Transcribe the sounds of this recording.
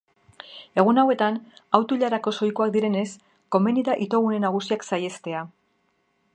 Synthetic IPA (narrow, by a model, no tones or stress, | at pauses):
e̞ɣ̞unawe̞t̪anawt̪uʎaɾako̞so̞jkuakd̪iɾe̞ne̞s | ko̞me̞niðaʔit̪o̞ɣune̞naɣ̞usiaksaje̞st̪e̞a